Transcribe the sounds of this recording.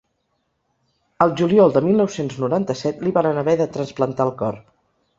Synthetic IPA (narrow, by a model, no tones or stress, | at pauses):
əlˠʒuliɔlˠd̪əmilˠnɔwsenznuɾant̪əsɛt̪liβaɾənəβɛðət̪ɾənsplənt̪aəlˠkɔr